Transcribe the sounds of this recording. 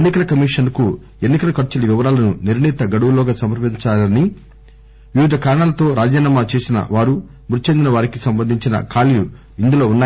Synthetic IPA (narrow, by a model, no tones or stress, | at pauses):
nːikɐlɐkɐmiːʂɐnku | e̞nːikɐlɐkɐɾt͡ʃulɐʋiʋɐɾaːlɐnuniɾɳiːt̪ɐɡɐɽuʋulɔːɡaːsɐmɐɾpiɲt͡ʃaːlɐni | ʋiʋid̪ʱɐkaːɾɐɳaːlɐt̪o̞ːɾaːd͡ʒaːnaːmat͡ʃe̞ːsinɐ̰ʋaːɾu | muɾt͡ʃe̞nd̪inɐʋaːɾikisɐmbɐnd̪ʱiɲt͡ʃinɐ̰kʰaːliju | ind̪ulo̞ːunːaː